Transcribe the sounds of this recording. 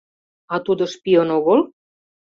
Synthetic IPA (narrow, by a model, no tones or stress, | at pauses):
ɑt̪ud̪ŏʃpiənoɣol